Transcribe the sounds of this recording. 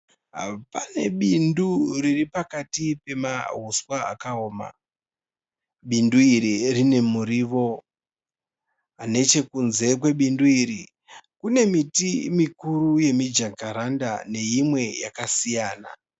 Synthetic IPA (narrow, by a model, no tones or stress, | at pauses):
ɦa̰pane̞ɓinduriripakatipe̞ma̰ɦuswaa̰kaoːma̰ | ɓinduiɾirine̞muɾiʋo̞ | ane̞t͡ʃe̞kunze̞kwe̞ɓinduiɾi | kune̞mitimikuɾuje̞mid͡ʒaŋɡaɾanda̰ne̞jimwe̞jakasijaːna̰